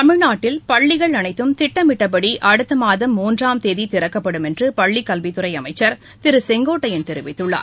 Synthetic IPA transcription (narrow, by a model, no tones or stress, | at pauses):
t̪ɐmɪɻnaːʈːɪlpɐɭːɪɣɐɭɐnɐɪt̪ːɯmt̪ɪʈːɐmɪʈːɐp̬ːɐɽiʔɐɽɯt̪ːɯmaːðɐmːuːndraːmt̪eːðit̪ɪɾɐkːɐpːɐɽɯmɛndrɯpɐɭːikɐlʋɪt̪ːɯɾɐɪɐmɐɪt͡ʃːɐɾ | t̪ɪɾɯsɛŋɡoːʈːɐjɪnt̪ɛɾɪʋɪt̪ːɯɭːa̰ːɾ